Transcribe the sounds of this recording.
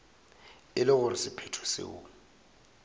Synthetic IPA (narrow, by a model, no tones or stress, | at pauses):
ɪlɪɣʊɾɪsɪpʰɛtʰɔ̥sɪ̰ʊ̰